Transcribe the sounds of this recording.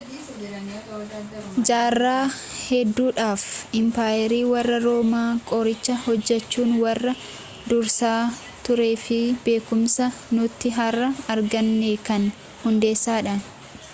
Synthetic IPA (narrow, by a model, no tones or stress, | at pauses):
d͡ʒaːrːaːhɛd̪ːuːᶑaːfɪmpaːjɛɾiːwɐrːɐɾo̞ːmaːkʼɔɾɪt͡ʃːɐhɔd͡ʒːɛt͡ʃːuːnwɐrːɐ | d̪ʊɾsaː | t̪ʊɾe̞ːfɪbe̞ːkʊmsɐnʊt̪ːɪɦɐrːɐɐɾɡɐnːekɐn | hʊnd̪eːsːaːᶑɐn